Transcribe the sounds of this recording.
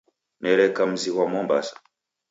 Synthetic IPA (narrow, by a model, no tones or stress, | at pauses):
nɛɾɛkam̩ziwamɔmba̰sḁ